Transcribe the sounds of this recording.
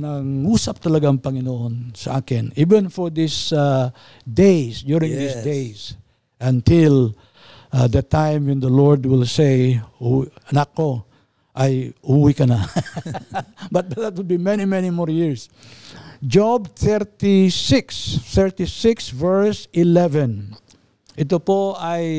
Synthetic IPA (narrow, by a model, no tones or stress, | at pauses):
nɐŋuːsɐp̚t̪ɐlɐɡaɐŋpɐŋɪnoʔonsɐ̰ʔaːkɪniːvɛ̃nfɔɹd̪ɪsa | d̪ejsd̪juɹɪ̃ŋd̪isd̪ejs | ʔɐ̃nt̪ɪl | ad̪ɐt̪ãjmwɛ̃nd̪ɐlɔɹd̪wɪlsejuɐnakːo | ʔajʔuwikɐna | bɐt̪̚bd̪at̪̚wɪd̚bimɛnimɛnimɔɹjɪɹs | d͡ʒɔbθɛɾt̪isɪksθɛɹt̪isɪksvɛɹsɪlɛvɛ̃n | ʔɪt̪opoaj